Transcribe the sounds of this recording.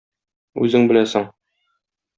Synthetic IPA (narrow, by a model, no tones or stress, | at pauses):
ʉzɘŋbɘ̆læsɘŋ